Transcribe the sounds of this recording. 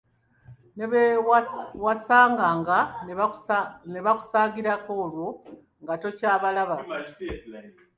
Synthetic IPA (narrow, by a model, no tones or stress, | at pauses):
ne | wasaːŋɡaːŋɡa | ne̞βaku̥saːɡiɾako̞ːlwo | ŋɡato̞caːβalaβa